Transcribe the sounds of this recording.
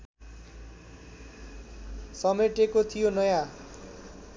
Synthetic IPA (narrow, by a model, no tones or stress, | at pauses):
sʌmeʈekot̪ʰijonʌjã